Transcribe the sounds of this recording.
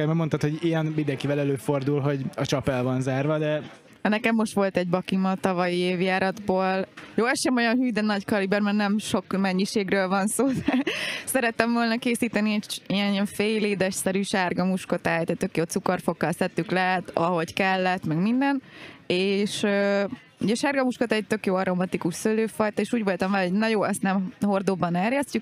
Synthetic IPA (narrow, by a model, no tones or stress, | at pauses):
ɛɾmɛmot̪ɑt̪hoɟijɛnmind̪ɛŋkivɛlɛløːford̪ulɦo̞ɟɒt͡ʃɒpɛlvɒnzaːrvɒd̪ɛ | ɛnɛkɛmːo̞ʃt̪ʋo̞lt̪ɛɟbɒkimɒt̪ɒvɒjieːvjaːɾɒd̪boːljoːɛʃɛmo̞jɒnɦyːd̪ɛnɒɟkɒlibɛrmɛrnɛmʃo̞kmɛɲːiʃeːɡrøːlvɒnsoːd̪ɛsɛɾɛt̪ːɛɱvoːlnɒkeːsiːt̪ɛniɛɟiɛniɛɱfeːjleːd̪ɛʃsɛɾyʃaːrɡɒmuʃkot̪aːjt̪ɛt̪ø̞kjoːt̪sukorfo̞kːɒlsɛt̪ːyklɛt̪ɒɦo̞ckɛlːɛt̪mɛɡmind̪ɛneːʃøː | ṵɟɛʃaːrɡɒmuʃkot̪aɛc̚t̪ø̞kjoːɒɾo̞mɒt̪ikuʃsøløːfɒjt̪ɒeːʃuːɟvo̞lt̪ɒmvɛlɦoɟnɛjoːɛst̪nɛmho̞rd̪obɒnɛrjɛstyk